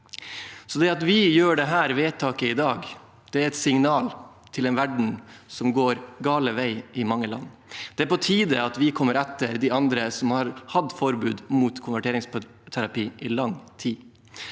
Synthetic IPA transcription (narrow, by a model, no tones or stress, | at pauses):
sɔd̪ɛɑt̪ʋɪjøːɖɛɦæːɾʋeːt̪ʰɑːkəɪd̪ɑːɡ | d̪̥ɛæɾɛt̪sɪŋnɑːl | t̪ʰɪlɛnʋæɖɳ̩sɔmɡoːɾɡɑːləʋæɪɪmɑŋːəlɑ̰nː | d̪̥ɛæɾpɔt̪ʰiːd̪əɑt̪ʋɪkʰɔmːəɾɛt̪ːəɾd̪ɪɑnd̪ɾəsɔmhɑɾhɑd̪fɔɾbʉːd̪muːt̪kʰʊnʋæʈʰeːɾɪŋsp | t̪ʰæɾɑpiːʔɪlɑŋt̪ʰiː